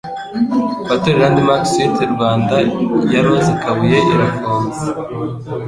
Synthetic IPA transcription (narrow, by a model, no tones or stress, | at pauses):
βatuɾiɾaːndimaksitʰeɾuβaːndajamazikaβujeʔiɾakʰoːnze